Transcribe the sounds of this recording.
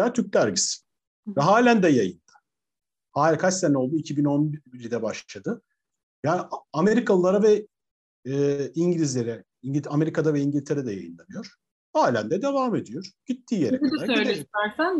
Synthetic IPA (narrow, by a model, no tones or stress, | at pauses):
jaːt̪ʰyɾc̚t̪æɾɟisi̥ | vɛɦaːlʲænd̪ɛjajɯnd̪̥ɯ̥ | haːlʲkʰast̪æno̞lˠd̪uicʰibino̞nbbiɾid̪ɛbaʃˠad̪ɯ | jaːniameɾikʰalˠɯlˠaɾavɛː | iɲɟiɾʲizlʲe̞ɾɛ | iɲɟʲame̞ɾikʰad̪avɛiɲɟilʲt̪ʰe̞ɾɛd̪ɛja̰jɯ̰nlˠanɯjo̞ɾ̥ | haːlʲænd̪ɛd̪e̞vaːme̞d̪ijo̞ɾ̥ɟ̥it̪ʰːiːjeɾɛæɾileæɾsæn